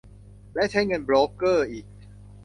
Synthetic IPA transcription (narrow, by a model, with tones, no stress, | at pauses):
lɛ˦˥ʔt͡ɕʰa˦˥jŋɤ˧nbɾoː˦˥kɤː˥˩ʔiː˨˩k̚